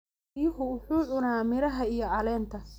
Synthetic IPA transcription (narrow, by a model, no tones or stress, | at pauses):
jʊɦʊwʊħuːʕʊnaːmɪɾɐɦɐijɞʕɑlɛːnt̪ʰɐ